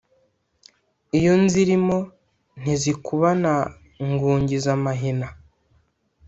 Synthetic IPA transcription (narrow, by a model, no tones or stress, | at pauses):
ijo̞nziɾimo̞ | n̥izikuβana | ŋɡuːɲɟizamaɦina